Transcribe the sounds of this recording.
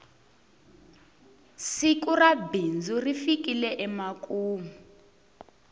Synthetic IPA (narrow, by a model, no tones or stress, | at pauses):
sikurabind͡zurifikilɛʔɛmakʼuːmu